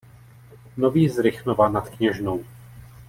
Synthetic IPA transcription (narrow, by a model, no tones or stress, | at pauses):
noviːzɾɪxnovanat̪kɲɛʒnow